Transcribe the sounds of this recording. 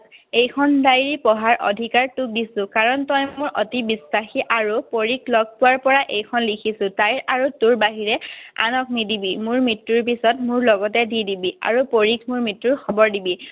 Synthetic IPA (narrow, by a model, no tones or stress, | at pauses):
ejkʰɔndajɹipɔɦaɹʔɔ̰dʱikaɹtuk̚disʊ̃kaɹɔntɔjmojʔɔtibisːaxiʔaɹupoɹikʰlɔɡ̚pʊwaɹpɔɹaʔejkʰɔnlikʰisʊ̃tajɹʔaɹutuɹbaɦiɹɛa̰nɔk̚nidibimʊɹmitːuɹp̬isɔtmʊɹlɔɡɔtɛdidibia̰ɹupoɹikʰmuɹmitɹuɹxʰɔbɔɹdibi